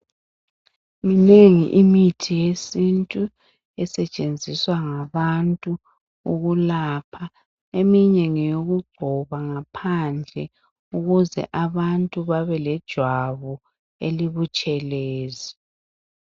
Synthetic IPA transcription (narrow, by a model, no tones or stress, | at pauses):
mineŋiʔimitʰijesintʼu | ɛsɛt͡ʃʼend͡zʱiswaŋaβantʼu | uɣulapʰa | emiɲeŋijoɣuɡ͡ǀʱɔβaŋapʰand͡ɮʱɛ | uɣuzɛ̰ʔaβantʼuβaβɛlɛd̥ʒ̥ʱwaβɔ | ḛliβut͡ʃʼɛleːzi